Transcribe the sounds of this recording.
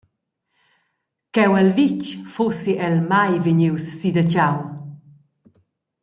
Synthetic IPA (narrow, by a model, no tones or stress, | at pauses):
kɛwɛlvit͡ʃfosiʔɛlmajviɲiwsːid̪ɐcaw